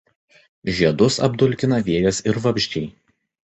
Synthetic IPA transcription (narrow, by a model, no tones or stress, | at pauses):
ʒʲiɛd̪ʊsɐ̰b̚d̪ʊlʲkʲɪnɐʋʲiɛjɐsɪɾʋɐpʲʒʲt͡ʃʲɛɪ